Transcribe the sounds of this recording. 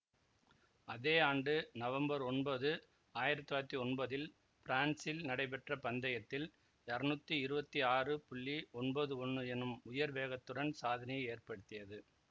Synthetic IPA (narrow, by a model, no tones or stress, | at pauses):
ɐðeːaːɳɖɯnɐʋɐmbɐɾɔnbɐðɯ | aːjɪɾɐt̪ːɯaːt̪ːiɔnbɐðɪl | pɪɾaːnsɪlnɐɽɐɪpɛʈrɐpɐnd̪ɐjɐt̪ːɪl | ɐɾɐnɯt̪ːiɪɾɯbɐt̪ːiaːrɯpʊɭːiɔnbɐðɯɔɳːɯɛnɯmʊjɐɾʋeːɣɐt̪ːɯɽɐnsaːðɐnɐjɐɪeːrpɐɽɯt̪ːɪjɐðɯ